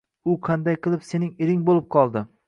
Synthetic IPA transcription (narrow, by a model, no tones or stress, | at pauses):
ʊqʰɑnd̪ajqʰɨlˠɪpse̞nɪŋɪɾɪŋbolˠɪp̚qʰɒlˠd̪ɪ